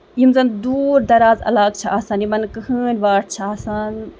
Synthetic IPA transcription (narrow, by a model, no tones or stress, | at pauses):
jimzɐnd̪uːɾd̪ɐɾaːzɐ̰laːɡ̚t͡ʃʰɐaːsaːnimɐnkɨhɨːnʲʋaːɽt͡ʃʰɐaːsan